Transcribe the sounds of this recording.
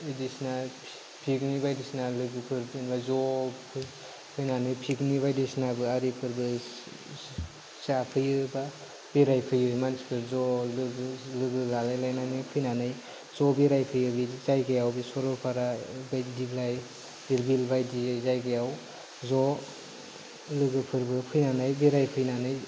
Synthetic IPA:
idisna | pʰiknibajdisnalɯɡɯpʰɯɾbinbazɔpʰɯ | pʰɯjnanɯjpʰikniβajdisnabɯaɾipʰɯɾbɯ | sapʰɯjɯba | b̥iɾajpʰɯjɯimansi̥pʰɯɾzɔlɯlɯɡɯlalajlajnanɯjpʰɯjnanɯj | zɔbiɾajpʰɯjɯbizajɡajawbisɔɾɔpʰaɾabajdiblaj | iɾbilbajdiɯjzajɡajaw | zɔ | lɯɡɯpʰɯɾbɯpʰɯjnanɯjbiɾajpʰɯjnanɯj

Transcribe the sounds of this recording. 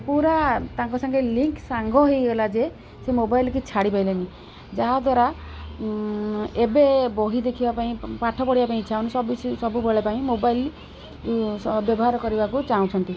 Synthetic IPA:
puɾat̪aŋkɔsaŋkʰeliŋksaŋɡʱɔɦejɡɔlad͡ʒe | semobajlkit͡ʃʰaɽipajlani | d͡ʒaɦad̪waɾa | ebebɔɦid̪ekʰibapaĩpaʈʰɔpɔɽibapaĩt͡ʃʰawnisɔbisɔbubeɭepaĩmobail | sbjɔbɔɦaɾɔkɔɾibakut͡ʃaw̃t͡ʃʰɔnt̪i

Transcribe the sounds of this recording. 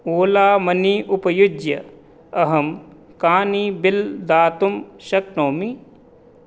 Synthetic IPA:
oːlaːmɐniʔʊpɐjʊd͡ʒjɐ | ɐɦɐm | kaːnibɪld̪aːt̪umʃɐk̚noːmi

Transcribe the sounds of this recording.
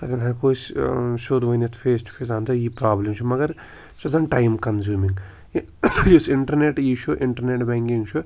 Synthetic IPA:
kɐt̪ɐnaːkoːsʃoːd̪ʋɐjnet̪ʰfeːsʈu̥feːsant͡sɐiːpɾaːblɐmt͡ʃʰumɐɡɐɾ | t͡ʃɐzɐnʈɐjmkɐnzuːmiŋɡ | jusiɳʈɐɾneʈiʃuʔiɳʈɐɾneʈbaːŋkiŋɡt͡ʃʰu

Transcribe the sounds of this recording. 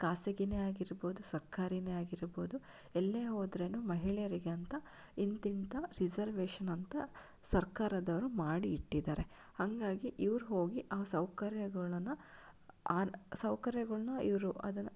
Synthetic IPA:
kaːsɐɡineaːɡiɾbo̞ːd̪usɐɾkʰaːɾineaːɡiɾbo̞ːd̪u | ɛlːeːɦoːd̪ɾeːnuːmɐɦiɭɛjɐɾiɡeɐnt̪ɐ | int̪int̪ɐɾid͡ʒɐɾʋeːʂɐnɐnt̪ɐ | sɐɾkaːɾɐd̪ɐʋɐɾumaːɽiːʈːid̪aːɾe̞ | hɐŋɡaːɡiʔiʋɐɾuɦo̞ːɡiʔaːsɐwkɐɾjɐɡɐɭɐnːɐ | aːsɐwkɐɾjɐɡɐɭɐnɐiʋɐɾuʔɐ̰d̪ɐnɐ

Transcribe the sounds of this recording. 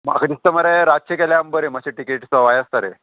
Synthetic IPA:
ma̰kət̪ist̪əməɾeɾat͡ɕʰekɛljambəɾemaɕeʈikeʈsəʋajəst̪aɾḛ

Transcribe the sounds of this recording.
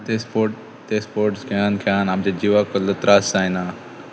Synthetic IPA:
t̪espoːʈ | t̪espoːɾʈskʰjaːnkʰjaːnamd͡ʒed͡ʒiʋakolət̪ɾaːsːaːinaː

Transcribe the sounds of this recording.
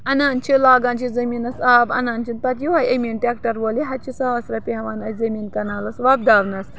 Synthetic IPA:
ɐnaːnt͡ʃʰilaːɡaːnt͡ʃizɐmiːnɐsaːbɐ̰naːnt͡ʃʰinpɐt̪juʋajemʲinʈʲekʈɐɾʋoːliɦɐt͡ʃʰisɐɐsɾɐpʲiɦɐʋanɐsʲzɐmiːnkɐnaːlɐsʋaːb̚d̪aːʋnɐs

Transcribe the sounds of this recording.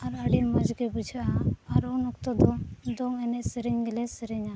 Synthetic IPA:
aɾəɖinməd͡ʒkɛbud͡ʒʱaaaɾunukt̪ɔd̪ɔd̪ɔŋɛnɛsɛɾɛɲɡɛlɛsəɾɛɲa

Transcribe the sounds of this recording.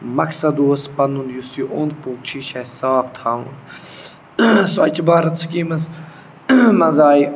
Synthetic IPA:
mɐksɐd̪uːɐspɐnũnjusiʔõːnd̪̚puːk̚t͡ʃʰiːʃaːsɐʋaːb̚t̪ʰaːũn | soɐt͡ʃʰbaːɾɐt̪sʰɐkiːmɐs | mɐnzaːi

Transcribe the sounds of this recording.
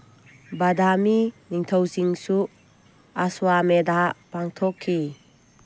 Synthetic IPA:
badaminiŋtʰɔwziŋsu | aswamedapaŋtʰɔkʰːi

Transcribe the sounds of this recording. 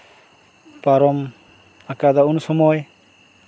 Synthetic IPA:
paɾɔm | akad̪aunusɔmɔj

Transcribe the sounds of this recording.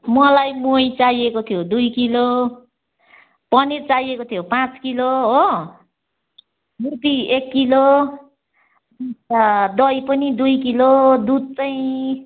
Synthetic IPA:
mʌlajmojt͡sajekot̪ʰijod̪ujkilo | pʌnirt͡sajekot̪ʰijopãt͡skiloɦo | bup̪iekːilo | d̪ʌjpʌnid̪ujkilod̪ud̪̚t͡saj̃

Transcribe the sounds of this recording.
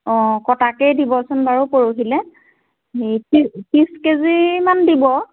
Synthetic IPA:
ɔ̃kɔtakɛjdibɔsʊnbaɹupoɹoɦilɛ | ejpispiskezimandibɔ

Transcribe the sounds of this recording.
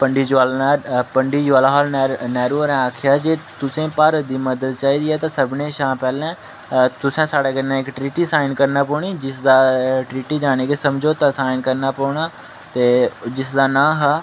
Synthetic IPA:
pəɳɖiːd͡ʒalːpəɳɖiːd͡ʒʊaːlaɦaːlːnɛːɾuːɾɛ̃aːkʰɪjaːd͡ʒeːt̪ʊsẽːpaːɾəd̪iːməd̪əd̪t͡ʃaːiːd̪iːɛːt̪ãːsəbnẽːʃãːpɛːlɛ̃ː | t̪ʊsɛ̃ːsaːɽeːɡənɛ̃ːɪkʈɾiːʈiːsaːɪnkəɾnaːpɔːɳiːd͡ʒɪsd̪aːʈɾiːʈiːd͡ʒaːɽ̃eːɡeːsəmd͡ʒoːt̪aːsaːɪnkəɾnaːpɔːɳaː | t̪eːd͡ʒɪsd̪aːnãːɦaː

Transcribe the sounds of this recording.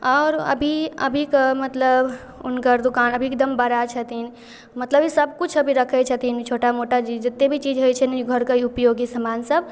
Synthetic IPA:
ɔːɾə̰bʱiə̰bʱikmət̪ləb | ʊnkəɾd̪ʊkaːnəbʱiek̚d̪əmbəɾat͡ʃʰət̪in | mət̪ləbisəb̚kut͡ʃʰəbʱiɾəkʰɛt͡ʃʰət̪int͡ʃʰoʈamoʈat͡ʃid͡ʒd͡ʒɐt̪ːebʱit͡ʃiːd͡ʒɦojt͡ʃʰɛnɡʱəɾkaiupjoːɡisəmansəb

